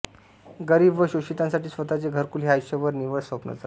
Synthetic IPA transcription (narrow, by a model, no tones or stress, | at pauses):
ɡəɾiːbʋəɕoɕit̪ãnsaʈiːsʋət̪at͡seɡʱəɾkulɦiɦajɕəʋəɾniʋəɭsʋəpnə̰t͡sa